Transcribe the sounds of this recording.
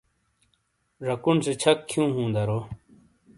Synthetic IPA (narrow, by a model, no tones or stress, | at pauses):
ɾɐkunset͡ɕʰɐkkʰːjũːɦũːnd̪ɐɾoː